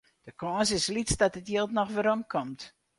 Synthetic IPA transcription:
d̥əkɔːsɪslit͡sdɔtətjeːlˠtnɔxʋəɾomkʰɔmt

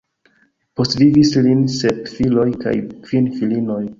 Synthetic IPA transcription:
po̞svivislinsepfilo̞jka̰jkv̥infilino̞j

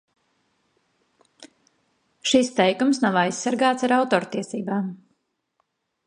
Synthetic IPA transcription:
ʃist̪ɛjkumsnawajsːaɾɡaːt̪saɾawt̪ɔːɾt̪iɛsiːbaːm

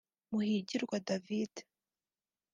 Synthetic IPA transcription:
muhiɟiɾɡwadavide̥

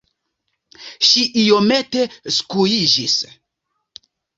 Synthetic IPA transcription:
ʃiʔijo̞me̞te̞skujid͡ʒis

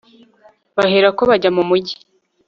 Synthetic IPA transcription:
βaheɾakoβaɟamumuɟi

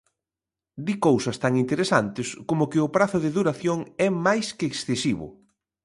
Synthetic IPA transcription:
d̪ikowsɐst̪aŋint̪eɾesant̪ɪskomʊkɪʊpɾaθʊðɪðuɾaθjoŋɛmajskɪːksθesiβʊ̰

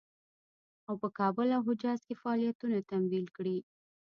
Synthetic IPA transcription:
awpəkɑbəlaɦʊd͡ʒɑzkefaːlijat̪unat̪amd̪ilkɽi

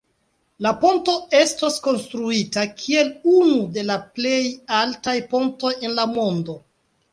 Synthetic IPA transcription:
lapo̞nto̞e̞stasko̞nstɾuitakʰie̞lunude̞laple̞jaltajpo̞nto̞je̞nlamo̞ndo̞

